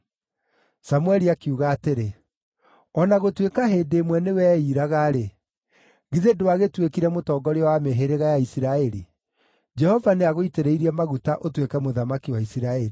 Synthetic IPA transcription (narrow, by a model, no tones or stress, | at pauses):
samuɛɾiakiuːɣaːteɾe | ɔnaɣotwekaɦeːdeːmwɛnewɛːiːɾaɣaɾe | ɣiðedowaɣetwekiɾɛmotɔːɡɔɾeɔwameɦeɾeɣajaisiɾaɛɾi | d͡ʒɛhɔvaneaɣoiteɾeiɾiɛmaɣutaʔotwekɛmoðamakiwaisiɾaɛɾi